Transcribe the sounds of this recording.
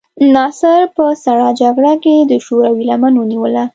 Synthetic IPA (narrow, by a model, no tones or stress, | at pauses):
nɑsaɾpəsaɽɑd͡ʒaɡɽaked̪əʃoɾawilamanwəniwəla